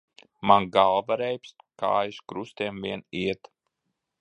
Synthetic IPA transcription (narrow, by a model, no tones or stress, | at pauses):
manɡalˠvaɾɛjps | ka̰ːjiʃkɾust̪iɛmviɛniɛt̪